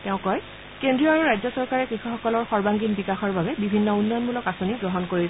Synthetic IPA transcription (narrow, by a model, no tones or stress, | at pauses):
tɛʊ̃kɔj | kendɹiɔaɹuɹajzɔsɔɹkaɹɛkɹixuxɔkɔlɔɹxɔɹbaŋɡinbikaxɔɹbabɛbibʱinːɔunːɔjɔnmulɔkasoniɡɹɔɦɔnkoɹil